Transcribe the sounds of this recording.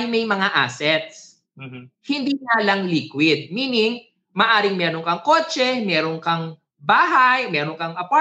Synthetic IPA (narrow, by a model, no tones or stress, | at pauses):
ɪŋmɛjmɐŋaʔa̰sɛt̪̚s | m̩ːm̩hɪnd̪iŋalɐŋliːkwɪd̪̚miːnɪŋ | mɐʔaːɾɪŋmɛːɾoŋkɐŋkoːt͡ʃɛmɛːɾoŋkɐŋ | baːɦajmɛːɾoŋkɐŋʔɐpa